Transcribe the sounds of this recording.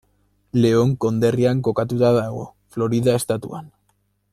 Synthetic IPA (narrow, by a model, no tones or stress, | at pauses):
le̞o̞ŋko̞nd̪e̞riaŋko̞kat̪ut̪aðaɣo̞̰ | flo̞ɾiðae̞st̪at̪ṵa̰n